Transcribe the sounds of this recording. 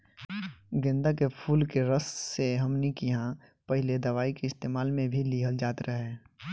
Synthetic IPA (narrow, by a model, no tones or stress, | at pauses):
ɡẽnd̪akepʰuːlkeɾəsːeɦɐmnikiɦã | pɐɦɪled̪ɐʋaːikeɪst̪eːmaːlmẽbʱiliɦəld͡ʒaːt̪ɾʔəɦe